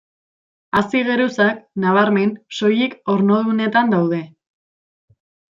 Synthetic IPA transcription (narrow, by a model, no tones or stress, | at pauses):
asiɣe̞ɾusaknaβ̞aɾme̞nso̞jiko̞ɾnoðune̞t̪and̪awð̞e̞